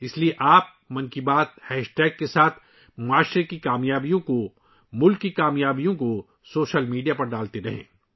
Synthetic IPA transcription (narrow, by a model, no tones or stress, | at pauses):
ɪslieʔaːp̚ | mɐ̃nkibaːt̪̚hɛːʃʈɛːɡ̚ːesaːt̪ʰ | maːʃɾekikaːmjaːbijõko | mʊlkːikaːmjaːbijõko | soːʃəlmiːɖijapɐɾɖaːlt̪eɾɐɦḛ̃ː